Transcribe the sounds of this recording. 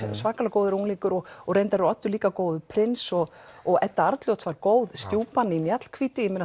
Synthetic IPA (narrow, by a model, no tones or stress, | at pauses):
svaːkalakoːwðɪɾuŋlikʏɾɔɣɔɣrejnt̪aɾɪɾɔt̪ːʏɾliːkakoːwðʏpʰɾɪnsɔɣ | ɔɣɛt̪ːaaɾt̪ljowt̪svaɾkoːwðst̪joːpanːɪimjat̪l̥kʰviːt̪ɪɪmɛna